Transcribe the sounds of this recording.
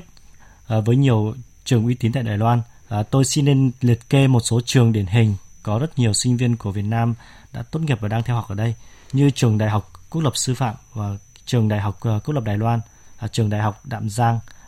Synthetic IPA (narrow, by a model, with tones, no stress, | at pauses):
vəː˨˦jɲi˨˩əw | t͡ɕɨ˨˩əŋʔwi˨˦t̪i˨˦nt̪a̰ː˧˨jɗaː˨˩jlwaː˧nː˨˩ | t̪o˧jsi˧nːe˧nli˨˩ət̚ke˧mo˨˩t̚so˨˦t͡ɕɨ˨˩əŋɗi˧˩ənɦï˨˩ŋ̟kɔ˨˦zə˦˥t̚ɲi˨˩əwsï˧ŋ̟vi˧ənku˧˩vi˨˩ət̚naː˧m | ɗa̰ː˧˥t̪o˦˥t̚ŋi˨˩p̚vaː˨˩ɗaː˧t̪ʰɛ˧wha˨˩k͡pʔːɗə˧jɲɨ˧t͡ɕɨ˨˩əŋɗa̰ː˧˨jɦa˨˩wk͡p̚kːu˦˥lə˨˩p̚sɨ˧fa̰ː˧˨mvaː˨˩ | t͡ɕɨ˨˩əŋɗa̰ː˨˩jɦa˨˩wk͡p̚ːktlə˨˩p̚ɗaː˨˩jlwaː˧nː˨˩ | t͡ɕɨ˨˩əŋɗa̰ː˨˩jɦa˨˩wk͡p̚ɗa̰ː˧˨mzaː˧ŋ